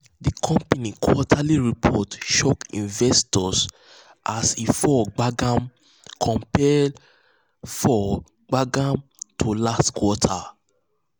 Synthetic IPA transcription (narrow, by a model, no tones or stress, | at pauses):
dikʰɔ̃mpanikʰwɔtʰaliɹipʰɔtʃokḭ̃nvɛstɔs | ʔasifɔɡ͡baɡam | kʰɔ̃mpɛd | fɔ | ɡ͡baɡãmtʰolastkwɔtʰa